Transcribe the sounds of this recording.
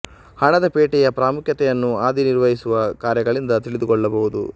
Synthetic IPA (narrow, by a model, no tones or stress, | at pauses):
hɐɳɐd̪ɐpeːʈɛjɐpɾaːmukʰjɐt̪ɛjɐnːuaːd̪iniɾʋɐɦisuʋɐkaːɾjɐɡɐɭind̪ɐt̪iɭid̪ukɔɭːɐbɐɦud̪ṵ